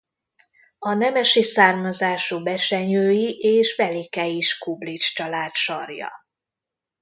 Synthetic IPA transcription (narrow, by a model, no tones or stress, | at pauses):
ɒnɛmɛʃisaːrmɒzaːʃubɛʃɛɲøːjiʔeːʃʋɛlikɛjiʃkublit͡ʃt͡ʃɒlaːt̪ʃɒrjɒ̰